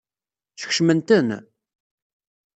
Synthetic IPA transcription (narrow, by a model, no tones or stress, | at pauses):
θə̥çʃmənt̪ən